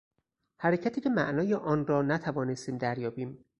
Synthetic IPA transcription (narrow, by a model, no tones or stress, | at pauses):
hæɾecʰæt̪ʰiːcʰe̞mæʔnɒːjeʔɒːnɾɒːnæt̪ʰævɒːnest̪iːmd̪æɾjɒːbiːm